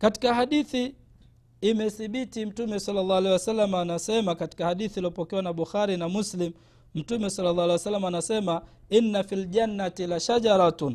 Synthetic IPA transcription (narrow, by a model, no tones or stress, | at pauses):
kati̥kaɦaɗiθiː | mɛθiɓitim̩tumɛsɑlːalˤːɑalɛjwasalːamanasɛmakati̥kahaɗiθiliɔpɔkɛwanaɓuxaɾinamuslim | m̩tumɛsɑlːalːɑːalɛjwasalːamaːnasɛma | inːafild͡ʒanːatilaʃad͡ʒaɾˤatun